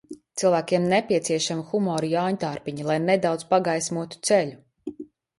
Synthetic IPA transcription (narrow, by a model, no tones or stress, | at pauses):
t̪silˠvæːkʲiɛmnepʲiɛt̪siɛʃamixumɔːɾijaːɲt̪aɾpiɲilˠajned̪awd̪zpaɡajsʲmuɔt̪u̥t̪sɛlʲu